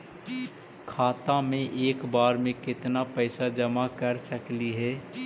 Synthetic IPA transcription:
kʰaːt̪amẽʔeːkbaːɾmẽkɪt̪napɛːsad͡ʒɐmakɐɾsɐkliɦɛː

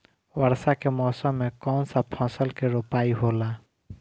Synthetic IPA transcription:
wəɾsakemɔːsəmːẽkɔːnsapʰɔ̃ːsəlkeɾopaːiɦoːla

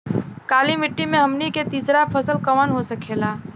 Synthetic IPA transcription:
kaːlimɪʈːimẽɦɐmniket̪iːsɾapʰɐsəlkɐʋənɦosɐkʰeːlaː

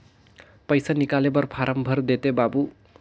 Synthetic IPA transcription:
pʌjsanikalebʌrpʰaɾʌmbʱʌrd̪et̪ebabu

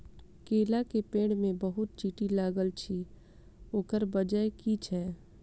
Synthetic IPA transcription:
keːlakepẽːɽmẽbəɦʊt̪̚t͡ʃiːʈilaːɡəlt͡ʃʰi | oːkəɾbəd͡ʒəekit͡ʃʰɛː

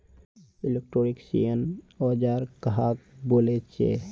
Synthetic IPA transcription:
ɪlek̚ʈɾoːɾiksḭjən | ɔːd͡ʒaːɾkɦak̚boːlet͡ʃḛ

